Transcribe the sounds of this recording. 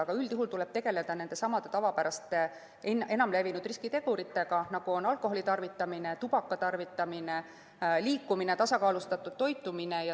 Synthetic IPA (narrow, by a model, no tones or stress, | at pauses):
ɑɡ̥ɑyld̪iɦult̪uleb̥t̪e̞ɡ̥e̞le̞d̪̥ɑne̞nd̪̥e̞sɑmɑd̪e̞t̪ɑvɑpæɾɑst̪ˑe | ene̞nɑmle̞vinud̪riskit̪e̞ɡ̥uɾit̪ːˑe̞ɡ̥ɑnɑɡ̥uonɑlkˑo̞ɦolit̪ɑrvit̪ːˑɑmine̞t̪ub̥ɑkˑːɑt̪ɑrvit̪ːˑɑmine | liːkˑːumine̞t̪ɑsɑkɑːlust̪ɑt̪ːˑud̪̥̚t̪o̞jt̪ːˑuminejɑ